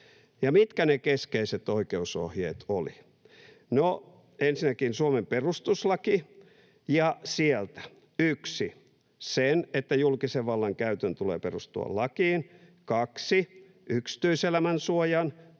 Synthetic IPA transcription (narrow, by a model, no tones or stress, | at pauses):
jɑmit̪kænekeskeiset̪oikeuso̰hjḛːt̪olḭ | no | ensinækinsuomemperust̪uslɑki | jɑsielt̪æ̥ | yksi | senet̪ːæjulkiseʋʋɑlːɑŋkæyt̪ønt̪ulḛːperust̪ṵɑ̰lɑkiːnkɑksi | yksi̥t̪yiselæmænsuojɑn